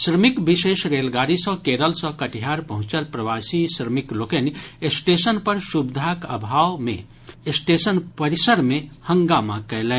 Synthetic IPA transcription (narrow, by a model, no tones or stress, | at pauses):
sɾəmikbiʃeːʃɾelɡaːɾisə̃keɾəlsə̃kəʈiɦaɾpəɦũt͡ʃəlpɾəʋasisɾəmiklokenesʈesənpəɾʃubd̪ʱakəbʱaːwmḛ̃ | sʈesənpəɾisəɾmẽhə̃ŋɡama̰kɛlɛ̃